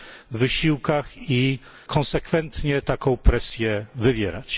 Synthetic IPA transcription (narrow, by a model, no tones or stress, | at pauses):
vɘɕiwkaxi | kʰɔ̃nsɛkfɛnt̪ɲɛt̪akɔ̃w̃pɾɛsʲjɛvɘvʲjɛɾa̰t͡ɕ